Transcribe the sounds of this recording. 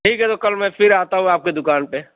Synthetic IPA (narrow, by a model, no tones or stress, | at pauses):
ʈʰiːkɦɛt̪okɐlmɛ̃fʰɪɾaːt̪aɦũaːp̚ked̪ʊkaːnpe